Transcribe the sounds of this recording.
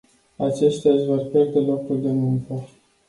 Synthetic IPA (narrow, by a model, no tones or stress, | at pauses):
at͡ʃe̞ʃt̪eaʒvo̞rpʲje̞rd̪e̞lo̞kuld̪emuŋkə